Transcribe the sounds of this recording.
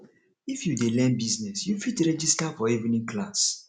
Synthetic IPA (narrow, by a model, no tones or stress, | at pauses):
ifjudelɛ̃nbiznɛsjufitɾɛd͡ʒistafɔivnĩŋklas